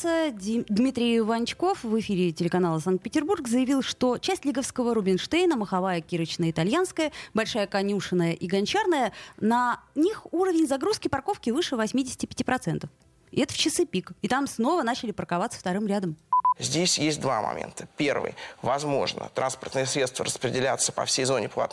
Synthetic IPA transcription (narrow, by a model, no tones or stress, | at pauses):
səəd̪mʲit̪ɾʲɪɪvɐnt͡ɕko̞fvɨfʲiɾʲɪtʲɪlʲɪkɐnalˠəsank̪̚pʲɪtʲɪrburɡzəjɪvʲilˠʂt̪o̞t͡ɕæsʲtʲlʲiɡəfskəvəɾʊbʲɪnʂt̪ejnəməxɐvajəkʲiɾət͡ɕnəjəɪt̪alʲjan̪skəjəbɐlʲʂajəkɐnʲuʂɨnːəjəʔiɡɐnʲt͡ɕarnəjənɐnʲixuɾəvʲɪnʲzɐɡɾuskʲɪpɐrko̞fkʲɪvɨʂɨvɐsʲmʲidʲɪsʲɪ̥tʲɪpʲɪ̥tʲipɾɐt̪sɛnt̪əf | ɪɛt̪ə̥ft͡ɕɪsɨpʲikɪt̪amsno̞vən̪at͡ɕɪlʲɪpərkɐvat̪sə̥ft̪ɐɾɨmɾʲad̪əmzʲdʲesʲjesʲt̚ʲd̪va̰mɐ̰mʲḛnt̪ʰəpʲervɨ̰jvɐzmo̞̰ʐnə̰t̪ɾʔanspərt̪nɨjəsɾʲet̪st̪və̰ɾəspɾʲɪdʲɪlʲat̪səpɐ̰fsʲejzo̞nʲɪplˠa̰t̪